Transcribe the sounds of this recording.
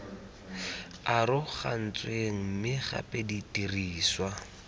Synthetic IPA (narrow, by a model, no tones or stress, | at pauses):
aɾʊχa̰n̩t͡sʼweŋ̩mɪχa̰pʼeditʼiriːswa